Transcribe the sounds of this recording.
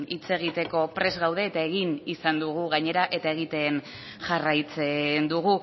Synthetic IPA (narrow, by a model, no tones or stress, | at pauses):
it͡se̞ɣ̞it̪e̞ko̞pɾe̞zɣawð̞e̞ːt̪aeɣ̞inisand̪uɣ̞uɣaɲe̞ɾaʔe̞t̪ae̞ɣ̞it̪e̞n | ʝarajt͡se̞nd̪uɣ̞u